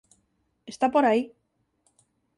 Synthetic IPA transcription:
est̪apoɾai

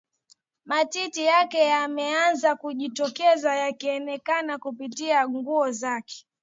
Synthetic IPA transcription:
matitijakɛjamɛanzakuʄitɔkɛzajakiɛnɛkanakupitiaŋɡuɔzakɛ̥

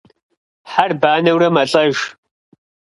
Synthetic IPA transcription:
ħarbaːnɐwɾɐmɐɬʼɐʒ

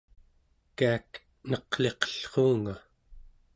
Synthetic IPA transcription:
kaːk | nʌqɬe̞qʌ̥ɬχoːŋa

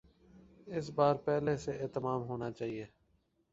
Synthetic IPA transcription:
ɪsbaːɾpɛːɦleseʔeːt̪əmaːmɦoːnaːt͡ʃaːɦieː

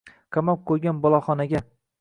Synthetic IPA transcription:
qʰɑmap̚qʰɵjɡʲanbɒlˠɒχɒnaɡʲa

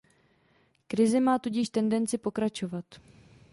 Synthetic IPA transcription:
kɾɪzɪmaːt̪uɟɪʃt̪ɛndɛnt͡sɪpo̞kɾat͡ʃo̞vat̪

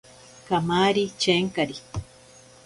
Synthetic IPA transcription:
kamaɾit͡ʃeŋkaɾi

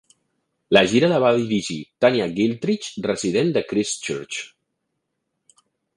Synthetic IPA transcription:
ləʒiɾələβaðiɾiʒit̪aniaɣilˠt̪ɾit͡ʃrəziðend̪əkɾist͡ʃuɾt͡ʃ

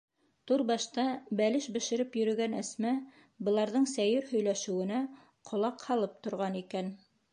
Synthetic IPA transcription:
t̪uɾbɑʃt̪ɑbælɘʃbɘ̆ʃɘ̆ɾɘpjɵ̆ɾɵ̆ɡænæsmæ | bɤ̆lˠɑɾðɤɴsæjɘɾhɵ̆jlæʃɘ̆wɘ̆næ | qʰŏlˠɑqhɑlˠɤp̚t̪ŏɾʁɑnikæn

